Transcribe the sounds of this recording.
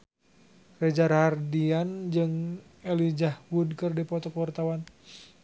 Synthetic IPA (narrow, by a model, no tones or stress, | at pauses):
rɛd͡ʒarhardiand͡ʒɨŋ | elid͡ʒahwud̚kɨrdipɔt̪ɔkwart̪awan